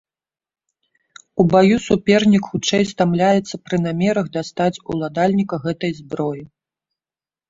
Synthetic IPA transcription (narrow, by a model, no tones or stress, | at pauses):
ubajusupʲɛrnʲikxut͡ʂɛjst̪amlʲajɛt̪sːɐpɾɨnamʲɛɾɐɣd̪ast̪at͡sʲṵlˠad̪alʲnʲikɐɣɛt̪ɐjzbɾɔji